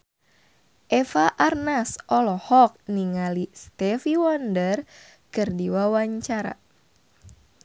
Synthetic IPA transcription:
ʔɛfaʔarnasɔlɔhɔk̚niŋalist̪ɛfiwɔndər | kɨrdiwawaɲt͡ʃaɾa̰

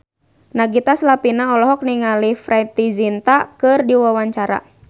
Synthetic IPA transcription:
naɡit̪aslapinaɔlɔɦɔk̚niŋalifɾait̪izint̪akɨrdiwawaɲt͡ʃaɾa̰

